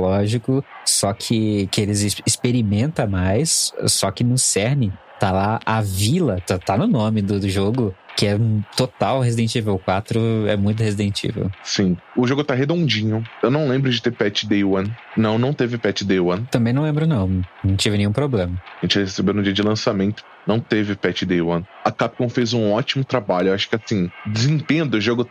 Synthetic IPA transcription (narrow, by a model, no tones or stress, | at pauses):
lɔʒikʊsɔkʰɪkɪelɪzspeɾimẽnt̪ɐ̃majsːɔkɪnʊsɛɾnɪ | t̪alaʔavilɐt̪at̪anʊnõmɪd̪ʊʒoɡʊkɪɛt̪ot̪awɦezid̪ẽt͡ʃivewkwat̪ɾʊɛmũj̃t̪ʊhezid̪ẽt͡ʃḭvḛwsĩʊʒoɡʊt̪aɦed̪õnd͡ʒĩɲʊewnɐ̃w̃lẽmbɾʊd͡ʒɪt̪eɾpɛt͡ʃɪd̪ejwɐ̃nnɐ̃w̃nɐ̃w̃t̪evɪpɛt͡ʃɪd̪ewɐ̃nt̪ɐ̃mbẽnɐ̃w̃lẽbɾʊnɐ̃w̃nɐ̃w̃t͡ʃ̪evɪnẽj̃ũpɾoblẽmɐaʒẽnt͡ʃɪɛhesebewnʊd͡ʒiɐd͡ʒɪlɐ̃samẽnt̪ʊ̥ | nɐ̃w̃t̪evɪpɛt͡ʃɪd̪ejwɐ̃nɐkap̚kõw̃fejzũɔt͡ʃimʊt̪ɾabaʎʊewaʃʊ̥kɪasĩd͡ʒ̪ɪzĩt̪ẽnd̪ʊʊʒoɡʊ